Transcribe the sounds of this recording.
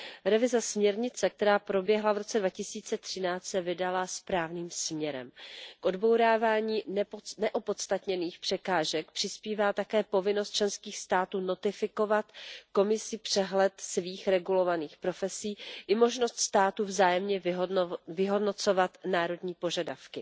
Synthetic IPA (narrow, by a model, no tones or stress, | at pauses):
ɾɛvɪzɛsmɲɛɾɲɪt͡sɛk̚t̪ɛɾaːpɾo̞bjɛɦlavɾo̞t͡sɛdvacɪsiːt͡sɛt̪r̥ɪnaːt̪sɛvɪdalaspɾaːvniːmsmɲɛɾɛ̰mkʔo̞dbo̞wɾaːvaːɲiːnnɛʔopo̞t̪st̪at̪ɲɛniːxpr̝̥ɛkaːʒɛk̚pr̝̥ɪspiːvaːt̪akɛːpo̞vɪnost̪̚t͡ʃlɛnskiːxst̪aːt̪uːno̞t̪ɪfɪko̞vat̪ko̞mɪsɪpr̝̥ɛɦlɛt̪sviːxɾɛɡulo̞vaniːxpɾo̞fɛsiːʔɪmo̞ʒno̞st̪st̪aːt̪uvzaːjɛmɲɛ | vɪɦo̞dno̞t͡so̞vat̪naːɾo̞dɲiːpo̞ʒadafkɪ